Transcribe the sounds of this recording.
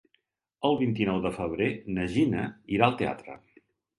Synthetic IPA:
əlˠβint̪inɔwðəfəβɾenəʒinəiɾaəlˠt̪ea̰t̪ɾə̰

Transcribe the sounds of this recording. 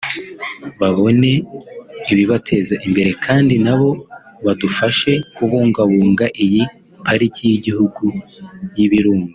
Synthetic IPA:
βaβo̞ne̞ | iβiβatʰe̞zaʔimbe̞ɾe̞kʰaːndinaβo̞ | βadufaʃe̞kuβuːŋɡaβuːŋɡaʔiji | pʰaɾicijiɟihuɡujiβiɾuːŋɡa

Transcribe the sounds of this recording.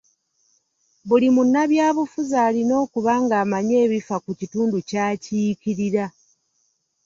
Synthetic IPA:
βulimunːaβjaːβufuzaːlino̞ːkuβaːŋɡaːmaɲe̞ːβifakucituːnducaːcikiɾiɾa

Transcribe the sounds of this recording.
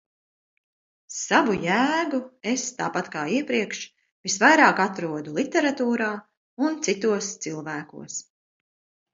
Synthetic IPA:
savujæːɡuest̪aːpat̪kaːiɛpɾiɛkʃ | visvajɾaːkat̪ɾuɔd̪ulˠit̪ɛɾat̪uːɾaː | unt̪sit̪uɔst̪silˠvæːkṵɔəs

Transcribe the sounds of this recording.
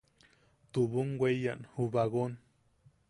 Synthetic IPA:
t̪uβuŋɡʷweja̰nhuβaɣon

